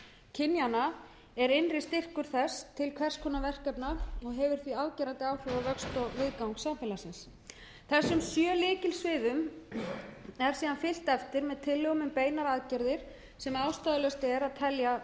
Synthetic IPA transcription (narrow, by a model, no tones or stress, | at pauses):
cʰɪnjana | ɛɾɪnrɪst̪ɪr̥kʏɾ̥θɛst̪ʰɪlkʰvɛr̥skʰɔːnavɛr̥kɛpnaɔɣɦɛvʏɾ̥θviaːðcɛɾant̪ɪaːwfɔwavœkst̪ɔvɪðkawŋksamfɛlasɪns | θɛsːʏmsjœːlɪːcɪlsvɪːðʏm | ɛɾ̥siːðanfɪl̥t̪ɛft̪ɪɾmɛðt̪ʰɪlːœɣmʏmpeːjnaɾaðcɛɾðɪɾ̥ | sɛmawst̪aðʏlɛst̪ɛɾaðt̪ʰɛlja